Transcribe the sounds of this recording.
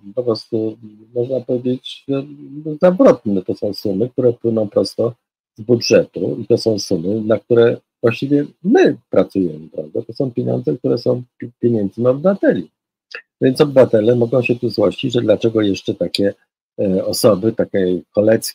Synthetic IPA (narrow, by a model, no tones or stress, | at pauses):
pɔpɾɔst̪umɔʐnapɔvʲjed͡ʑet͡ɕʐɛzavɾɔt̪̚nɛt̪ɔsɔ̃w̃sumɘk̚t̪uɾɛpwɘnɔ̃w̃pɾɔst̪ɔ | zbudʐɛt̪ṵit̪ɔsɔ̃w̃sumɘnak̚t̪uɾɛ | vwaɕt͡ɕivʲjɛmɘpɾat̪sujɛmɘpɾavd̪ɛt̪ɔsɔ̃w̃pʲjeɲɔ̰nd̪zɛk̚t̪uɾɛsɔ̃w̃pʲjeɲɛnd̪zniɔbɘvat̪ɛlʲi | vʲjɛntsɔbɘvat̪ɛlɛmɔɡɔ̃w̃ɕɛt̪uzwɔɕt͡ɕid͡ʑʐɛd̪lat͡ʂɛɡɔjɛʂt͡ʂɛt̪akʲɛ | ɔsɔbɘt̪akʲɛkɔlɛt̪skʲ